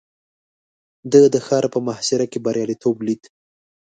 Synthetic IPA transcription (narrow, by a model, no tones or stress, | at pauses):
d̪əd̪əxɑɾpəmahsɪɾakebaɾjɑlit̪ʰoblid̪